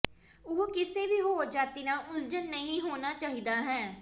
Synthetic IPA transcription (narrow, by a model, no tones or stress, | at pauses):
ʊɦkɪseːʋiːɦoːd͡ʒaːt̪iːnaːʔʊld͡ʒənːəɦĩːɦoːnaːt͡ʃaːɦiːd̪aːɦɛ̃ː